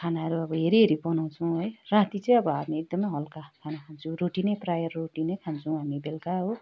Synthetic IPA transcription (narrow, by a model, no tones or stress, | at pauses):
kʰanaɦʌɾuʌbʌɦeɾiɦeɾibʌnaw̃t͡sʰʌw̃ɦojrãt̪it͡sʌj̃ʌbʌɦamiek̚d̪ʌmʌjɦʌlkakʰanakʰant͡sʰũroʈinʌjprajʌrːoʈinʌjkʰant͡sʰuũɦamibelkaɦo